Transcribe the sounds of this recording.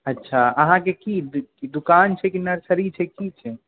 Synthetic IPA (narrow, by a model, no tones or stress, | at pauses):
ətːʃʰaəɦãkekid̪ukant͡ʃʰɛkinəɾsʰəɾit͡ʃʰɛkit͡ʃʰɛ